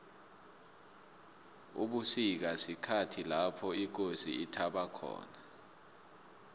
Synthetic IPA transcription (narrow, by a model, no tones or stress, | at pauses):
ṵɓusik̬asikʰatʰilapʰɔik̬osḭitʰaɓakʰɔ̰ːna